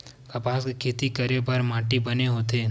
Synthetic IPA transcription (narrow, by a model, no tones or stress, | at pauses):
kɐpaːskekʰeːt̪ikɐɾebɐɾmãːʈibɐneɦoːt̪eː